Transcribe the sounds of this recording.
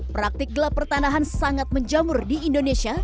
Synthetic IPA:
pɾak̚t̪ɪk̚ɡəlapərt̪anaɦansaŋat̪̚məɲd͡ʒamʊrdiindonesia

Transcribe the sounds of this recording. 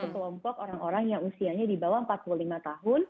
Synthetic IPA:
ukəlɔmpɔk̚oɾaŋoɾaŋjaŋusiaɲadibawaəmpat̪̚pululimat̪aɦʊn

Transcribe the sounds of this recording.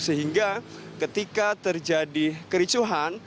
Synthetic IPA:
səɦiŋɡakət̪ikat̪ərd͡ʒadikəɾit͡ʃuɦan

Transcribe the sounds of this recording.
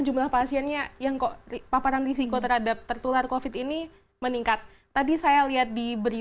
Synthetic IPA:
d͡ʒumlahpasiɛnɲajaŋkopapaɾanrisikot̪ərɦadap̚t̪ərt̪ularkofɪt̪ini | məniŋkat̪̚ːadisajaliat̪̚dibəɾi

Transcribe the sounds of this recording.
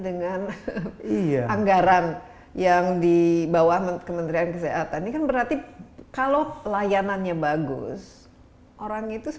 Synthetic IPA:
dəŋaniaaŋɡaɾan | jaŋdibawahmkəmənt̪ɾiankəseɦat̪annakanbəɾart̪ikalolajananɲabaɡʊ̰s | ʔoɾaŋit̪u

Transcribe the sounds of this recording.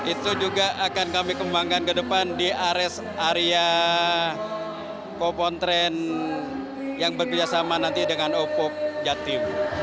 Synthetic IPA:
it̪ud͡ʒuɡaʔakankamikəmbaŋkankədəpandiaɾɛs | aɾia | kopɔnt̪ɾɛn | jaŋbərkəd͡ʒasamanant̪idəŋanopɔk̚d͡ʒat̪ɪm

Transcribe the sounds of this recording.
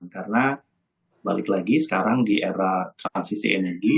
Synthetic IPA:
nkarəna | balɪklaɡisə̥kaɾaŋdiʔeɾat̪ɾansisḭʔɛnɛrɡi

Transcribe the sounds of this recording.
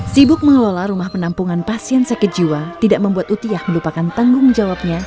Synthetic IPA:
sibʊk̚məŋəlolaɾumahpənampuŋanpasiɛnsakəd͡ʒiwat̪idaʔ̚məmbuat̪ut̪iahməlupakant̪aŋɡʊŋd͡ʒawap̚ɲa

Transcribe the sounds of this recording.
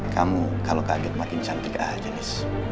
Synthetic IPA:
kamukalokaɡɛt̪̚makɪnt͡ʃaŋt̪ika̰hd͡ʒənɪs

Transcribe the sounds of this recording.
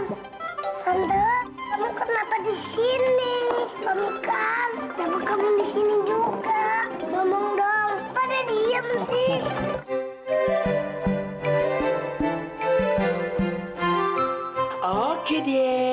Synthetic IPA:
and̪əamuŋkarnapadisinibamikandabakamuŋdisinid͡ʒuɡamɔmɔŋdɔŋpadadiamsih | okedie

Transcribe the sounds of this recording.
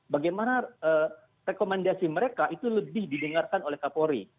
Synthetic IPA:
baɡajmanaəː | rekomandasiməɾekaʔit̪uləbɪhdidəŋarkanolɛhkapoɾḭ

